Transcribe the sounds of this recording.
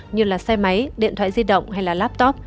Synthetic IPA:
ɲɨ˧laː˨˩sa˧jma˨˦jɗḭ˧˨ənt̪ʰwa̰ː˧˨jzi˧ɗə̰˧˨wŋ͡mha˧jlaː˨˩laː˦˥p̚t̪ɔ˦˥p̚

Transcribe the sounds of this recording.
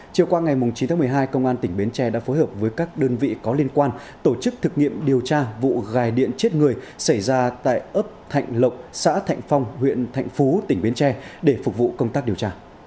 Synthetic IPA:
t͡ɕi˨˩əwkwaː˧ŋa˨˩jmʊ˨˩ŋ͡mt͡ɕi˨˦t̪ʰa˨˦m˨˩əjɦaː˧jkə˧wŋ͡mʔaː˧nt̪ï˧˩ŋ̟ɓi˨˦ənt͡ɕɛ˧ɗa̰ː˧˥fo˨˦jɦəː˨˩p̚vəː˨˦jkaː˦˥k̚ɗəː˧nvḭ˧˨kɔ˨˦li˧ənkwaː˧n | t̪o˧˩t͡ɕɨ˦˥k̚t̪ʰɨ˨˩k̚ŋḭ˧˨əmɗi˨˩əwt͡ɕaː˧vṵ˧˨ɣaː˨˩jɗḭ˧˨ənt͡ɕe˦˥t̚ŋɨ˨˩əjsa˧˩jzaː˧t̪a̰ː˧˨jʔəː˦˥p̚t̪ʰa̰˧˨jŋ̟lə˨˩wk͡p̚sa̰ː˧˥t̪ʰa̰˧˨jŋ̟fa˧wŋ͡mhwḭ˧˨ənt̪ʰa̰˧˨jŋ̟fu˨˦t̪ï˧˩ŋ̟ɓi˨˦nt͡ɕɛ˧ɗe˧˩fʊ˨˩k̚vṵ˧˨kə˧wŋ͡mt̪aː˦˥k̚ɗi˨˩ə˩wt͡ɕaː˧

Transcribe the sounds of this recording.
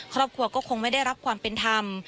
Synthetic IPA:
kʰɾɔː˥˩p̚kʰɾu˧ɐkɔː˥˩kʰo˧ŋma˥˩jda˥˩jɾa˦˥p̚kʰwaː˧mpe˧nt̪ʰa˧m

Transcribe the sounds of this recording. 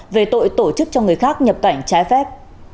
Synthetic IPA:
ve˨˩t̪o̰˧˨jt̪o˧˩t͡ɕɨ˦˥k̚t͡ɕɔ˧ŋɨ˨˩əjxaː˦˥k̚ɲə˨˩p̚ka˧˩jŋ̟t͡ɕaː˨˦jfɛ˦˥p̚

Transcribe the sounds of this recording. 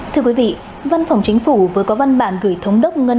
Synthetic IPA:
t̪ʰɨ˧əkwi˨˦vḭ˧˨ | va˧nfɔ˨˩wŋ͡mt͡ɕï˨˦ŋ̟fu˧˩vəː˨˦kɔ˨˦va˧nɓa̰ː˧˩nɣɨ˧˩əjt̪ʰə˨˦wŋ͡mɗə˦˥wk͡p̚ŋə˧

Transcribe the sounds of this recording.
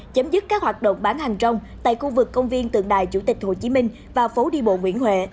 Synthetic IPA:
t͡ɕə˨˦mzɨ˦˥t̚kaː˦˥k̚hwaː˨˩t̚ɗə̰˧˨wŋ͡mɓaː˨˦nha˨˩ŋt͡ɕə˧wŋ͡mt̪a̰ː˧˨jxu˧vɨ˨˩kːə˧wŋ͡mvi˧ənt̪ɨ̰˨əŋɗaː˨˩jt͡ɕu˧˩t̪ï˨˩k̟̚ho˨˩t͡ɕi˨˦mï˧ŋ̟ | vaː˨˩fo˨˦ɗi˧ɓo̰˧˨ŋwḭ˧˥ənhwḛ˧˨

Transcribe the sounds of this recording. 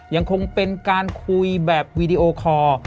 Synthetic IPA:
ja˧ŋkʰo˧ŋpe˧nkaː˧nkʰu˧jbɛː˨˩p̚wiː˧diː˧ʔoː˧kʰɔː˧

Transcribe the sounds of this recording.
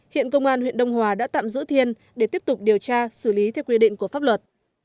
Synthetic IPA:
hḭ˧˨ənkə˧wŋ͡mʔaː˧nhwḭ˧˨ənɗə˧wŋ͡mɦwaː˨˩ɗa̰ː˧˥t̪a̰ː˧˨mzɨ̰˧˥t̪ʰi˧ən | ɗe˧˩t̪i˦˥əp̚t̪ʊ˨˩k͡p̚ɗi˨˩əwt͡ɕaː˧sɨ˧˩li˨˦t̪ʰɛ˧wkwi˧ɗḭ˧˨ŋ̟ku˧˩əfaː˦˥p̚lwə˨˩t̚

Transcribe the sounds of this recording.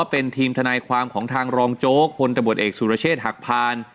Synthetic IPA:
pe˧nt̪ʰiː˧mt̪ʰa˧naː˧jkʰwaː˧mkʰɔː˩˦ŋt̪ʰaː˧ŋɾɔː˧ŋt͡ɕoː˦˥k̚pʰo˧nt̪a˧bu˨˩t̪̚ʔeː˨˩k̚suː˨˩ɾa˧t͡ɕʰeː˥˩t̪̚ha˨˩k̚pʰaː˧n

